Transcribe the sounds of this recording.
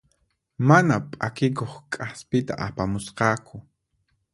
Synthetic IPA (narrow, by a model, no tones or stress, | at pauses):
manapʼakɪkoχkʼaspɪt̪a̰ʔapamʊsqɑːkʰʊ